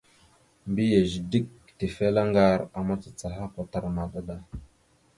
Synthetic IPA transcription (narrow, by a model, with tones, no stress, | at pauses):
mbi˦je˨ʒi˨di˦k̚ | ti˨fe˦la˦ŋɡa˦ɾa˨ma˦t͡sa˨t͡sa˨ɦa˦pa˨ta˨ɾma˨ɗa˦da˦